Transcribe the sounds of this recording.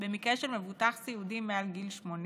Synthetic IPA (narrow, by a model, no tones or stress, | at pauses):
bemikʁeʃelmevut̪aχsiud̪imːealɡilʃmon